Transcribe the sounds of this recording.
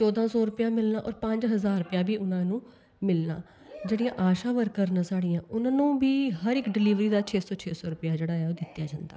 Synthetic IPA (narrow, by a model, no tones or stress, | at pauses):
t͡ʃɔːd̪ãːsɔːɾʊpɪjãːmɪlnã̰ːʔɔːɾpə̃ɲd͡ʒɦəzaːɾɾʊpjãːbiːʔʊnãːnũː | mɪlna̰ː | d͡ʒeːɽijãːʔaːʃãːʋəɾkəɾnãːsaːɽɪjãːʔʊnãːnũːbiːɦəɾɪkɖɪliːʋɾiːd̪aːt͡ʃʰeːsɔːt͡ʃʰeːsɔːɾʊpɪjaːd͡ʒeːɽaːɛːoːd̪ɪt̪ːjaːd͡ʒãːnd̪a̰ː